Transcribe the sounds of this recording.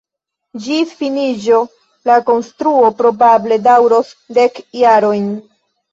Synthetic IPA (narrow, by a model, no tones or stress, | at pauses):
d͡ʒifinid͡ʒo̞ | lako̞nstɾuo̞pɾo̞bable̞dawɾosde̞kjaɾo̞jn